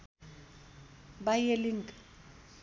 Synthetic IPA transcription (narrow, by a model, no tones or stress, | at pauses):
bajelɪŋ̩kʼ